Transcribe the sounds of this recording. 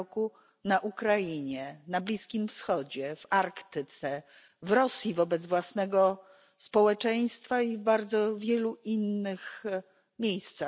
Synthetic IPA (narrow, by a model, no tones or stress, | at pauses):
ku | naʔukɾajiɲɛnablʲiskʲimfsxɔd͡ʑɛvaɾkt̪ɘt̪sɛ | vɾɔsʲjivɔbɛd̪zvwasnɛɡɔ | spɔwɛt͡ʂɛj̃st̪faivbaɾd̪zɔvʲjɛluʔinːɘx | mʲjejst̪sa